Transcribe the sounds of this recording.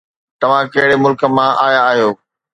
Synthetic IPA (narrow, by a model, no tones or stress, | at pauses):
t̪ɐʋ̤ãkɐɦɪɽemʊlkə̆mãʔaːjaːɦijoː